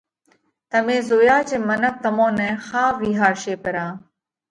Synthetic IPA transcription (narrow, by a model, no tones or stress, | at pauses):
t̪əmẽːzoːjaːt͡ʃẽːmənək̚t̪əmõːnɛ̃ːxaːʋiːɦaːɾʃeːpəɾãː